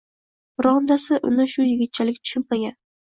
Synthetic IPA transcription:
ɾɒnd̪asɪʔʊ̰nɪʃʊjɪɡʲɪt̪̚t͡ʃʰalɪkʲt̪ʰʊ̥ʃʊnmaɡʲan

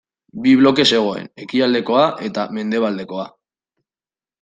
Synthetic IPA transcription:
biβ̞lo̞ke̞se̞ɣ̞o̞e̞̰ne̞kiald̪e̞ko̞aʔe̞t̪ame̞nd̪e̞βald̪e̞ko̞a

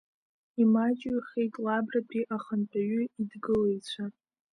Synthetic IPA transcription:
imat͡ʃʼiχejtʼlabrabiʔaχənpʼaɥʏidɡɨlejt͡ɕʷʰa

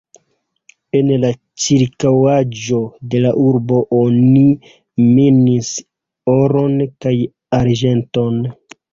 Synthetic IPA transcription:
e̞nla | t͡ʃiɾkawad͡ʒo̞de̞laʔuɾbo̞ʔoni | minis | oɾo̞nkaj | aɾd͡ʒe̞nto̞n

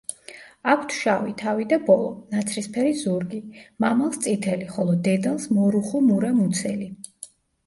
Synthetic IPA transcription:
akʷʰt̪ʰʃavit̪ʰavid̪abɔlˠɔnat̪sʰɾispʰɛɾizuɾɡimamalˠst̪sʼit̪ʰɛliχɔlˠɔd̪ɛd̪alˠsmɔɾuχumuɾamut̪sʰɛli

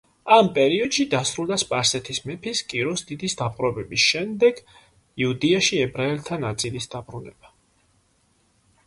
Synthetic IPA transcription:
ampʼɛɾiɔd̪̥ʃid̪asɾulˠd̪aspʼaɾsɛt̪ʰismɛpʰiskʼiɾɔsd̪id̪isd̪apʼqʼɾɔbɛbisʃɛmd̪ɛɡ̥ | iud̪iaʃiɛbɾaɛlt̪ʰanat̪sʼilisd̪abɾunɛ̰ba

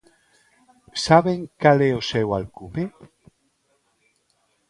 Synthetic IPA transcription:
saβeŋkaleosewalkume

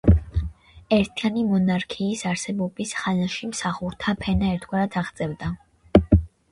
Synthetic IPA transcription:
ɛɾt̪ʰianimɔnaɾkʰiːsaɾsɛbɔbisχanaʃimsaχuɾt̪ʰapʰɛnaɛɾt̪ʰɡwaɾad̪ʰaʁd̪sʼɛvd̪a

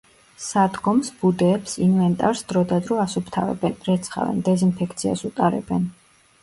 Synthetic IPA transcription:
sad̪ɡɔmsbud̪ɛːpsinvɛnt̪ʼaɾsd̪̥ɾɔd̪ad̪ɾɔasupʰt̪ʰavɛ̰bɛnɾɛt̪sʰχa̰vɛ̰nd̪ɛzinpʰɛkʰt̪sʰia̰sut̪ʼaɾɛ̰bɛn

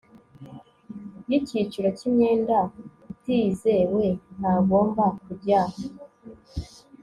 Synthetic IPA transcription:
jicit͡ʃuɾocimɲeːnda | itizewen̥aːɡoːmbakubɟaːho

